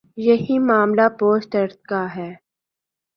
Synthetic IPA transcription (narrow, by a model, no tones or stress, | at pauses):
jɐɦimaːmlapoːsʈɐɾt̪̚kaɦɛː